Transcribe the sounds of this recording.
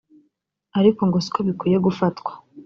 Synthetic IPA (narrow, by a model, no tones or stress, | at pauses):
aɾiko̞ŋɡosi̥koβikwiːje̞ɡufatkwḁ